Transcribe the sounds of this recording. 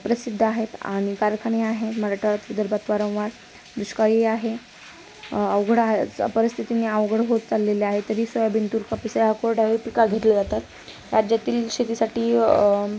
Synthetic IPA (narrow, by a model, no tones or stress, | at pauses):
pɾəsid̪ʱːaɦet̪a̰ɽ̃ikaɾkʰəɳeaɦeməɾaʈʰəɭat̪ʋid̪əɾbat̪ʋaɾə̃w̃ʋaɾ | d̪ɾuɕkajeaɦe | əʋɡʱɽapəɾist̪ʰit̪ineəʋɡʱɽɦot̪̚t͡salːeleaɦet̪əɾiːsəjabʱint̪uːɾkəpisaakoɾɖaɦepikaɡʱet̪ləd͡zat̪at̪ | ɾad͡ʑjat̪iːlɕet̪isaʈiː